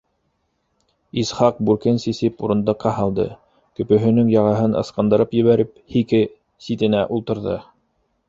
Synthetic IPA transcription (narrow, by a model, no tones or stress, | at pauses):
isχɑq̚buɾkɘnsisɘpuɾɤ̆nd̪ˠɤ̆qːɑhɑlˠd̪ɤ̰ | kɵ̆pɵ̆ɦɵ̆nɵŋjɑʁɑɦɤnʔɤ̰̆sqɑ̆nd̪ɤ̆ɾɤpjɘ̆βæɾɘp̚hikɘ | sit̪ɘ̆næʔulˠt̪ɤ̆ɾðɤ̰